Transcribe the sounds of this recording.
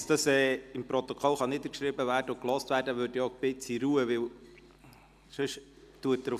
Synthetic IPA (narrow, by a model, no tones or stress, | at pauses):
sd̥ɑsɛːɪmpɾɔt̪okʰɔlχɑnidəkʃɾiːbəvæːɾdəʊklɔstvæːɾdəʋøːɾdjɔb̥ɪt͡siɾuːəʋɪl | ʃøʃ | tuət̚dɾʊ